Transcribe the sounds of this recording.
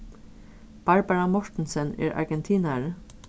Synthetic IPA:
b̥ɑɹbaɹamɔʂt̪nsɛnɛ̰ɹa̰ɹɡɛnt̪ʰiːnaɹ

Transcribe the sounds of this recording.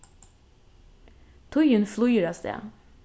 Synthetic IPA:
t̪ʰʊjənflʊjɾɑsd̪ḛː

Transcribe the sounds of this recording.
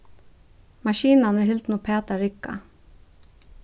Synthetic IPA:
mɑʃiːnanəhɪlt̪nupʰeːt̪aɾɪkːa̰

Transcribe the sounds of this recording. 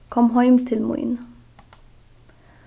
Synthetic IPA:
kʰɔmhɑʏmt̪ʰɪlmʊ̰ḭn

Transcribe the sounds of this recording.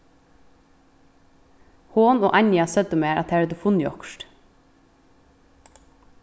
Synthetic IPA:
hoːno̰ːʔɑɲjɑsœd̪əmeːɾʔɑt̪̚eæːɾɛd̪ufʊnjɔ̰kʃʈ

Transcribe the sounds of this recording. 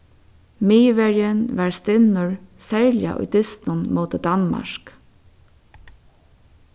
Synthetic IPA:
miːʋɛɹjənʋaɹst̪ɪnʊɹsɛɹlja̰ʔʊ̰jd̪ɪst̪nʊnmoːt̪əd̪anma̰ɹk

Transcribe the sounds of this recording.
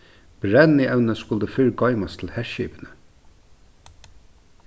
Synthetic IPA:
b̥ɹɛniʔɛʉnəskʊld̪əfʏɹɡɑɪmɑst̪ʰl̩hɛʃɪpənə

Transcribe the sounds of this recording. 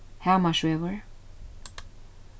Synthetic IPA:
haʊmʌt͡ʃwɛvə˞

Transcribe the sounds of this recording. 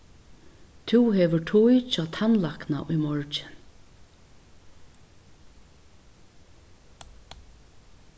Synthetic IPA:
t̪ʰuwɦɛʋɪʈʰujt͡ʃɔːt̪ʰanlakna̰ʔʊjmɔɹt͡ʃɪ̥n

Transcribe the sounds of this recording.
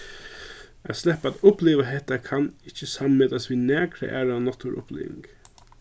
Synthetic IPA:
a̰slɛhpad̪ʊpleːʋaɦɛht̪akʰanɪt͡ʃːəsammeːd̪asʋiːnæːkɾə̰ʔæ̰ːɾanɔt̪ʰʊɾʔʊ̰plḛːʋɪ̰ŋɡ

